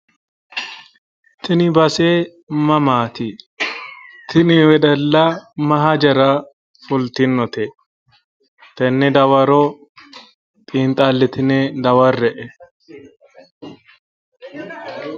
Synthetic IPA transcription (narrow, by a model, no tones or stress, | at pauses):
t̪ɪnɪbɐseː | mɐmaːt̪ɪ | t̪ʰɪnɪwɛd̪ɐlːamɐɦad͡ʒɐɾa | fʊlt̪ɪnːɔt̪ɛ | t̪ɛnːɛd̪ɐwɐɾoː | t̪ʼiːnt̪ʼaːlːɪt̪ɪned̪ɐwɐrɛʔɛ